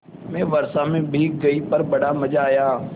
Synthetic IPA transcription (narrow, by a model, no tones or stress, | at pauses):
mɛ̃ːʋəɾsãːmẽːbʱiːk̚ɡəiːpəɾbəɽaːməd͡ʒaːjaː